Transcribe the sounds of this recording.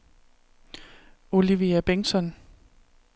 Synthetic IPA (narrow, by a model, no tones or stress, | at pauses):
o̝liʋiæb̥eŋsɒn